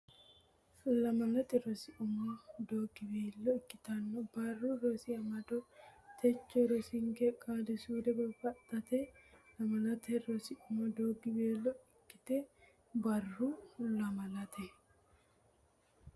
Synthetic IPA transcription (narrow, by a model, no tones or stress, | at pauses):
lɐmɐlɐt̪ɛɾɔsɪʔʊmɔd̪oːɡɪbeːlːɔɪkːɪt̪ɐnːɔbɐrːuɾosɪɐmɐd̪ɔt̪ʰɛt͡ʃːɔɾɔsiŋɡɛkʼaːdɪsud̪ɛbɐfɐt̪ʼːɐt̪ɛlɐmɐlɐt̪ɛɾɔsɪʔʊmɔd̪oːɡɪbeːlːɔɪkːɪ̥t̪ɛ | bɐrːulɐmɐlɐt̪ʰɛ